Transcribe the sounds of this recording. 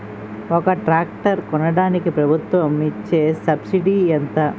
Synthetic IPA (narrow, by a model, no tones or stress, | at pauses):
ɔkɐʈɾaːkʈɐɾkɔnɐɽaːnikipɾɐbʱut̪ʋɐmit͡ʃːeːsɐbsiɖiːɐnt̪ɐ